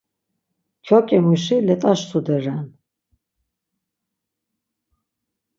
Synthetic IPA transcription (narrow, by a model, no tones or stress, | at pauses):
kʰɔkʼɛmuʃilɛt̪ʼaʃsud̪ɛɾɛn